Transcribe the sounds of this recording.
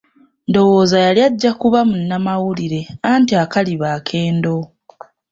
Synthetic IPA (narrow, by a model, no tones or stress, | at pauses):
ndo̞wo̞ːzajaljaɟːakuβamunːamawuliɾe̞aːntiakaliβaːkʰe̞ːndo̞